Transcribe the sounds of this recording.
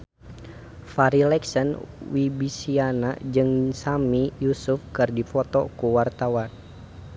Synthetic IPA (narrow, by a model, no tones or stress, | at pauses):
faɾilɛksənwibisiana̰d͡ʒɨŋsamijusufkərdifɔt̪ɔkuwart̪awan